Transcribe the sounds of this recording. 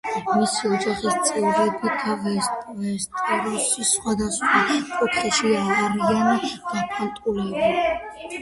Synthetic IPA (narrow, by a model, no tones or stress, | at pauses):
misiɔd͡ʒaχist̪sʼɛvɾɛbiɡavɛvɛɾt̪ʼɛɾɔʃisχwad̪asχwakʼut̪ʰχɛʃiavaɾianiɡ̪̥apʰant̪ʼulɛba